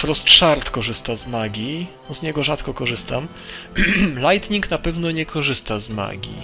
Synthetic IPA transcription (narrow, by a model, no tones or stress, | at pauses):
fɾɔst̪ʂaɾt̪kɔʐɘst̪azmaɡʲi | zɲɛɡɔʐat̪kɔkɔʐɘst̪am | lajt̪ɲiknapɛvn̪ɔɲɛkʰɔʐɘst̪azma̰ɡʲḭ